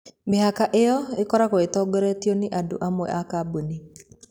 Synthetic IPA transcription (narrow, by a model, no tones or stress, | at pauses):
meɦakaʔeɔekɔɾakoetɔɡɛɾɛtioneʔado̰ʔamwɛ̰ʔakaboni